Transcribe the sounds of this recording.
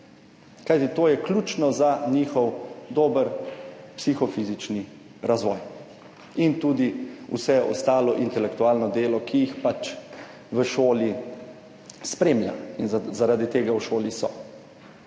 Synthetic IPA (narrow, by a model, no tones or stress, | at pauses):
kajt̪it̪oːjɛklʲuːt͡ʃnɔzaɲiːxɔwd̪oːbəɾpsixɔfizit͡ʃni | ɾazʋɔːj | int̪uːd̪iṵsɛɔ̰st̪aːlɔʔint̪ɛlɛkt̪uaːlnɔd̪eːlɔkʰijixpat͡ʃ | ʋəʃoːli | spɾeːmlja̰inzaɾad̪it̪eːɡawʃoːlisɔ̰